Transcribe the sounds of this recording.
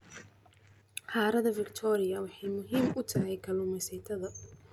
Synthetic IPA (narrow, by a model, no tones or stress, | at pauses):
qɑːɾɐðɐvɪkt̪ʰɔːɾɪjɐwɑħɑjmʊɦiːmʊt̪ʰɐɦɛjkʰɐlʊmɛsɛjt̪ʰɐðɐ